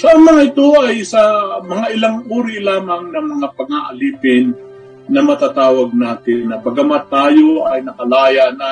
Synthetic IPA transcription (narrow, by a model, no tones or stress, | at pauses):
sɐʔaŋmɐŋaɪt̪oʔɐjsɐmɐŋaʔɪlaŋʔuːɾɪlaːmɐŋnɐmɐŋapɐɡaʔɐliːpɪnː | ɐmɐt̪at̪aːwɐɡ̚naːt̪ɪnːɐbɐɡamat̪aːjoɐjnɐkɐlaːjanɐ